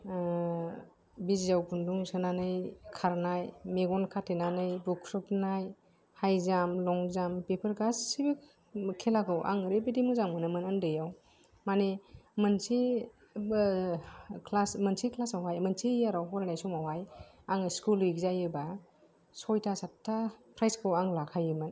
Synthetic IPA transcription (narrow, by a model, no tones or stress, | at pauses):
bizizawkʰunduŋsɯnanɯjkʰaɾnajmeɡɔnkʰatʰenanɯjbukʰːɾɯpnaj | hajzamlɔŋzampepʰɯɾɡasːibik | kʰelaɡɯwʔa̰ŋɯɾebidimuzaŋmɯnɯmɯnɯndɯjaw | manemɯnsi | kʰlasmənsiklasawajmɯnsiaɾawɦɔɾnajsumawaj | aŋskulikzajɯba | sɔjtʰasatʰːapʰɾajskʰɯwaŋlakʰajɯmɯn